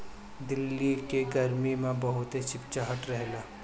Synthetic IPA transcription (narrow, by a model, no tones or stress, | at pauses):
d̪ɪlːikeɡɐɾmimẽbɐɦʊt̪ɦet͡ʃʰɪp̚t͡ʃaɦəʈɾɛɦlaː